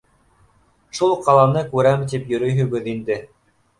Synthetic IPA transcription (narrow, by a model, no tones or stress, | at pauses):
ʃulˠqɑlˠɑnɤkʉɾæmt̪ipjɵ̆ɾɵ̆jɦɵ̆ɡɵðind̪ɘ